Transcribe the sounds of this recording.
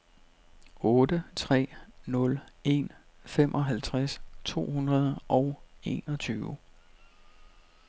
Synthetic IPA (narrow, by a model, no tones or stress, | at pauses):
ɔ̽ːd̥ət͡sʰʁɛ̰ːnɔ̽le̝n | femʔɒ̽ɦælt͡sʰʁast͡sʰo̝̰ːhunʁɐð̞ˠʔɒʊe̝̰ːnɒ̽t͡sʰyːʊ